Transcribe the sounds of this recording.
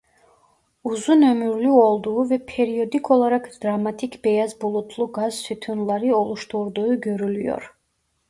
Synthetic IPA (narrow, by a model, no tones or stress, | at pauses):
uzunømyɾlyɔlˠd̪uːvɛpʰɛɾiɔd̪ikʰɔlˠaɾakʰd̪̥ɾamat̪ʰikʰbɛjazbulˠut̪ʰlˠuɡaz̥syt̪ʰynlˠaɾiɔlˠuʃt̪ʰuɾd̪uːɡøɾylyjɔ̰ɾ